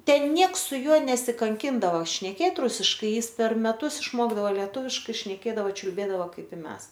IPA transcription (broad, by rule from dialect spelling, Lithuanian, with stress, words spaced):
ˈtʲɛn ˈnʲiɛks sʊ ˈjuɔ nʲɛsʲɪkɐŋʲˈkʲɪndɐʋɐ ʃʲnʲɛˈkʲeːt ˈrʊsʲɪʃkɐɪ ˈjɪs pʲɛr mʲɛˈtʊs ɪʃˈmoːɡdɐʋoː lʲɛˈtuːʋʲɪʃkɐɪ ʃʲnʲɛˈkʲeːdɐʋoː t͡ʃʲʊlʲˈbʲeːdɐʋoː ˈkɐɪp ɪ ˈmʲɛs